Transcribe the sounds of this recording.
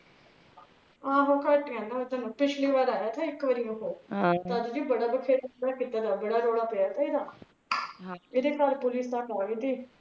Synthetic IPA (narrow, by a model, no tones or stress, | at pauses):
ãːɦõːkəʈkɛ̃ːnd̪aːʊt̪anũːpɪt͡ʃʰliːʋaːd̪aːjaːt̪ʰaːɪkʋəɾiːõkoːt̪aːd̪d͡ʒiːbəɽaːbəkʰeːɾd̪aːkiːt̪aːd̪aːbəɽaːɾoːɽaːpeaːt̪aːid̪aː | ɪd̪eːkaːɾpʊlɪːsd̪aːkaːɡiːt̪iː